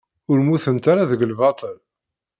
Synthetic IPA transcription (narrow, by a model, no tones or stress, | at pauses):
ʊɾmuθənt̪aɾaðəɡəlvɑt̪ˤəl